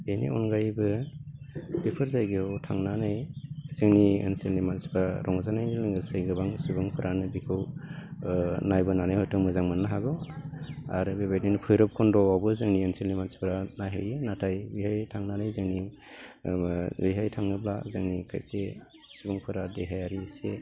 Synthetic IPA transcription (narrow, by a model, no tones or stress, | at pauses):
ejnḭɔnɡajbɯ | bipʰɯɾzajɡeawtʰaŋnanajzɯŋniḛnselnimansi̥baɾʔɔŋzanajnɯlɯŋɡɯsɯjɡɯbaŋsubɯŋpʰɯɾʔanɯbikʰɯw | najbɯnanajhɔjtʰɯŋmɯzaŋmɯnːaɦaɡɯ | a̰ɾɯbebajtninpʰɯjɾɔp̚kʰɔndɔabɯzɯŋnienselnimansi̥pʰɯɾanajɦɯjɯnatʰajbiɦhajtʰaŋnanajzɯŋni | biɦajtʰaŋnɯbla̰zɯŋnikʰa̰jse | subɯŋpʰɯɾadeɦajaɾise